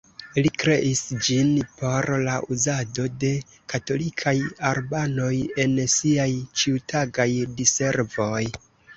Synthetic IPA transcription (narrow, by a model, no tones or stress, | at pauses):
likɾe̞ʔisd͡ʒinpʰo̞ɾlaʔuzado̞de̞ | kato̞likʰajaɾbano̞je̞nsiajt͡ʃiutʰaɡajdise̞ɾvo̞j